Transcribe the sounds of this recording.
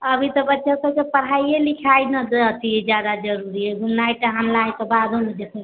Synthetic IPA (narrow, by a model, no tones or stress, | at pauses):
əbʱit̪ɔbətːʃʰasəbkepəɽ̤ajjelikʰajnəd̪et̪ʰiɛd͡ʒjad̪ad͡ʒəɾuɾiɛɡunːajʈəɦanlajt̪ɔbad̪ʱoled͡ʒesə